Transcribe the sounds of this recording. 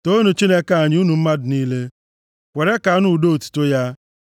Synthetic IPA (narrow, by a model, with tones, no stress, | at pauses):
to˦nu˨t͡ʃi˦ne˦ka˨˦a˨ɲ˦u˦nu˨m̩˦ma˦dʊ˨niː˦le˦ | kʷe˨ɾe˦ka˨˦nu˨do˦o˨tu̥˨tʊ˦ja˦